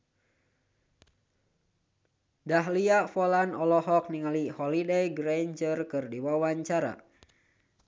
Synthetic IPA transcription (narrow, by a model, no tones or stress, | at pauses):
daɦliaʔfɔlanɔlɔɦɔk̚niŋalihɔlidejɡɾaɲd͡ʒərkɨrdiwawaɲt͡ʃaɾa̰